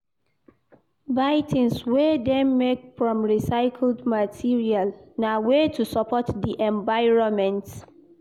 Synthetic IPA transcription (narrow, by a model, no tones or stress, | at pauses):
vaɪtʰĩnswedɛmmekfɹɔ̃mɹisaɪkʰldmatʰiɹialnawetʰusɔpʰɔtdiʔɛ̃ɱvaɪɹɔ̃nmɛ̃nt